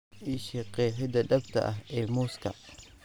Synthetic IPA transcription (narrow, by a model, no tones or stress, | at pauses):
iʃiqɛːħɪd̪ɐɖɐbt̪ʰɐ̰ʔɐɦɛːmuːskʰɐ̰